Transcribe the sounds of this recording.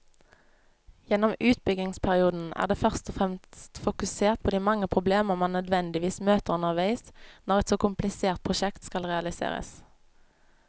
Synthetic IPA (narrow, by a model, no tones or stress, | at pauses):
jɛnɔmʉːt̪̚bʏɡɪŋspʰæʁɪuːd̪n̩æ̰ːʁd̪eːfœʁst̪ɔfʁɛmst̪fʊkʉseːʁt̪̚pʰoːd̪iːmɑŋːəpʰʁʊbleːməʁmɑnnœd̪ʋɛnd̪ɪʋiːsmøːt̪əʁʉnəʁʋæɪsnɔʁɛt̪soːkʊmplɪseːʁt̪̚pʰʁʊʃɛkt̪skɑlʁɛɑlɪsḛːʁə̰s